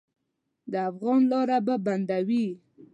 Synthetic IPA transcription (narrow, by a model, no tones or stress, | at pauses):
d̪əafɣɑnlɑɾababand̪awi